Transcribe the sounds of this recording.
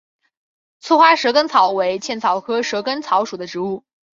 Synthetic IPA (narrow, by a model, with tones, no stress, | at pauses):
t͡sʰɔ˥xwa˥ʂɤ˧˥kə˥nt͡sʰɑ˨˩˦ʊwe˧˥ɪt͡ɕʰjɛ˥˩nt͡sʰɑ˨˥ʊkʰɤ˥ʂɤ˧˥kə˥nt͡sʰɑ˧˥ʊʂu˨˩d̪ə˦ʈ͡ʂɻ̩˧˥u˥˩